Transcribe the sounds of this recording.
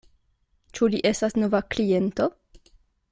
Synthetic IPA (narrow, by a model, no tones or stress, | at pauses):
t͡ʃuliʔe̞stasno̞vaklie̞nto̞